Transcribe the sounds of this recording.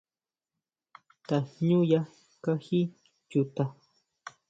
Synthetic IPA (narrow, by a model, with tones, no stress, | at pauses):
t̪a˨ɲũ˦ja˦ | ka˦hi˦ | t͡ʃu˨t̪a˨